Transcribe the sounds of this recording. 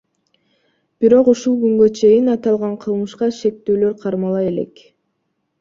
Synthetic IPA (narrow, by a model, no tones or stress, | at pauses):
b̥iɾo̞quʃulˠɡyŋɡø̞t͡ʃʰe̞jinɑt̪ɑlˠʁɑɴqʰɯlˠmɯʃqɑʃe̞k̚t̪øːlø̞ɾqʰɑɾmɑlˠɑje̞le̞̰k